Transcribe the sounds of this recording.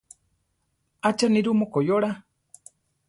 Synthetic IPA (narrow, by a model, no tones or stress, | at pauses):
at͡ʃaniɾumokojoɾa